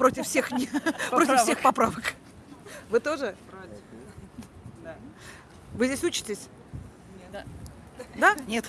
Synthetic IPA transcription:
pɾo̞tʲɪfsʲexnʲɾo̞tʲɪfsʲe̞xpɐpɾavək | vɨt̪o̞ʐɨ | vɨzʲesʲut͡ɕɪ̥tʲɪsʲ | d̪anʲet̪

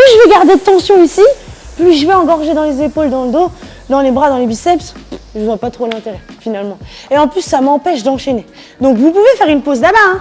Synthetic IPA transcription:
plyʒəvɛɡaʁd̪ed̪ət̪ɑ̃sjɔ̃isiplyʒəvɛɑ̃ɡɔʁʒed̪ɑ̃lezepold̪ɑ̃ləd̪o | d̪ɑ̃lebʁad̪ɑ̃lebisɛpsʒəvwapat̪χolɛ̃t̪eʁɛfinalmɑ̃eɑ̃plysːamɑ̃pɛʃd̪ɑ̃ʃene | d̪ɔ̃kvup̬uvefɛʁynpozlabaɛ̃

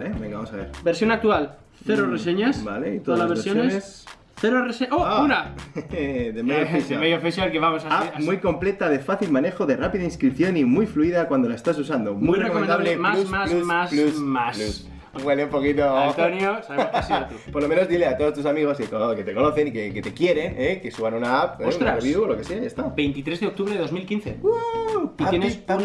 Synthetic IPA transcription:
lebeŋɡaβamsaβḛɾbeɾsjo̞nak̚t̪ual | θeɾoreseɲasba̰leit̪oðalaβesjoeses | θeɾoreseʔouɾa | ðemejofesamejofisaelkeβamosaamujko̞mple̞t̪aðe̞faθilmane̞xoðe̞rapiðainskɾipθjo̞nimujfluiðakwand̪o̞laest̪as̬usand̪omujreekoeom̃ẽnd̪aβlemauaslusaslusmasluss | ɡweleumpokit̪oant̪onjosaβeosiupoɾlo̞mẽno̞zðileat̪oðo̞st̪usamiɣ̞o̞skekoket̪e̞ko̞no̞θe̞nikeket̪e̞kje̞ɾe̞nekesuβanunaapeosut̪ɾareβjuolo̞keseaest̪abe̞jnt̪it̪ɾezðeok̚t̪uβɾeðeðo̞zmilkinθeuienesu

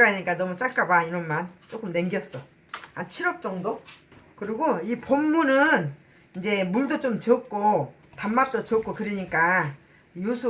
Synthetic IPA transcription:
ɾaɲik͈anʌmut͡ɕ͈aɭk͈abaiɾʌnmant͡ɕ͈ok͈ɯmne̞ŋɡjʌs͈ʌ | ant͡ɕʰiɾʌp̚t͡ɕ͈ʌŋdo | kɯɾiɡoipomːunɯn | ind͡ʑe̞muɭdot͡ɕ͈omt͡ɕʌk̚k͈o | tamːap̚t͈ot͡ɕʌk͈okɯɾiɲik͈a | jusʰu

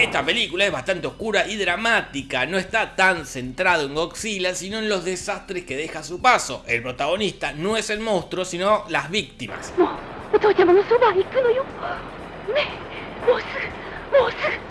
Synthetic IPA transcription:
est̪ape̞likulae̞zβast̪ant̪eo̞hkuɾaʔiðɾamat̪ikano̞est̪at̪anse̞nt̪ɾað̞oeŋɡo̞ksilasino̞enlo̞zðesast̪ɾeskeð̞e̞xasupaso̞̰ʔe̞lpɾo̞t̪aɣ̞o̞nist̪ano̞e̞se̞lmõwst̪ɾosino̞lazβik̚t̪ima̰smot̪otamanosubaikːɯnoju | me | mosɨ | mosɨ

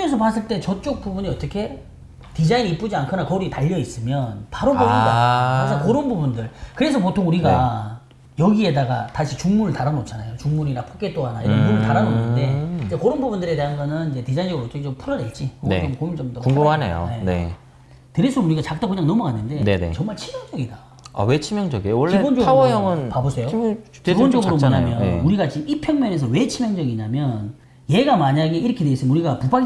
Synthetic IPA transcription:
esʰʌpas͈ɯɭt͈e̞t͡ɕʌt͡ɕ͈ok̚p͈ubuɲiʌt͈ʌkʰe̞ | tid͡ʑainiːp͈ud͡ʑiankʰɯnakʌɾitaʎːʌis͈ɯmjʌnpaɾopoudaasʰakoɾɯnbubundɯɭkɯɾe̞sʰʌpotʰoŋuɾiɡa | jʌɡie̞daɡa̰taɕʰit͡ɕuŋmuɾɯɭtaɾanot͡ɕʰanajot͡ɕuŋmuɾiɾapʰok͈et͈oɦanaiɾʌnmuɾɯɭtaɾanonːɯnde̞id͡ʑekoɾonbubundɯɾe̞te̞ɦanɡʌnɯnid͡ʑe̞tid͡ʑainɡɯɾoʌt͈ʌkʰet͡ɕompʰuɾʌde̞ɭt͡ɕ͈inḛomkomid͡ʑʌmdokuɡumhanḛjo̰enḛ | teɾesʰouɾiɡat͡ɕak̚t͈akɯɲaŋnʌmukanːɯnde̞nenḛt͡ɕʌŋmaɭt͡ɕʰimjʌŋd͡ʑʌɡida | a̰we̞t͡ɕʰimjʌŋd͡ʑʌɡiewʌɭːebond͡ʑoɡawʌjʌŋɯnpabosʰe̞jo | ibonʌɡɡɯɾomoɲamjʌneuɾiɡat͡ɕiipʰjʌŋmjʌne̞s̬ʰʌwe̞t͡ɕʰimjʌŋd͡ʑʌɡiɲamjʌn | je̞ɡamaɲaɡe̞iɾʌkʰedweis͈ɯmenuɾiɡapupa

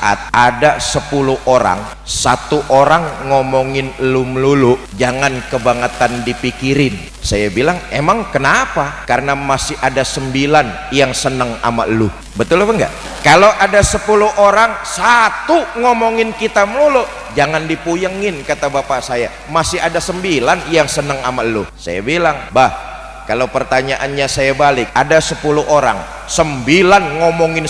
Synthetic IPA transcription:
ʔa̰t̪̚adasəpuluʔoɾa̰ŋ | sat̪uʔoɾaŋːomɔŋɪnluməlulʊʔd͡ʒaŋankəbaŋət̪andipikiɾɪn | sajabilaŋemaŋkənapakaɾənamasɪhʔadasəmbilan | jaŋsənəŋa̰ma̰ʔlu | bət̪ʊlpəŋɡa̰ʔ | kalowʔadasəpuluɦʔoɾaŋsat̪uŋomɔŋɪnkit̪amlulo | d͡ʒaŋandipujəŋɪnkat̪abapasaja | masɪɦadasəmbilanjaŋsənəŋamaʔlusa̰ja̰bilaŋbah | kalawpərt̪aɲaʔanɲasajabalɪk̚adasəpuluɦʔoɾa̰ŋ | səmbilanŋomɔŋɪn

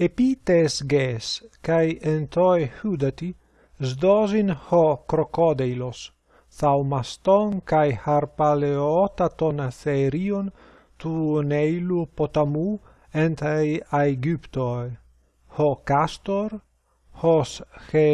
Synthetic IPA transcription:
epit̪esɡeskajent̪ojhud̪at̪i | zd̪ozinhokɾokod̪ejlos | θawmast̪oŋkajhaɾpaleot̪at̪onθeɾion | t̪unejlupot̪amu | ent̪ajajɡypt̪oj | hokast̪oɾ | hosxe

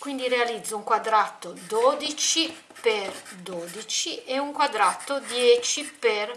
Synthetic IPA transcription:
kwind̪iɾealid̪zːouŋkwad̪ɾat̪ːod̪oːd̪it͡ʃi | perd̪oːd̪it͡ʃieuŋkwad̪ɾat̪ːod̪jɛːt͡ʃiper

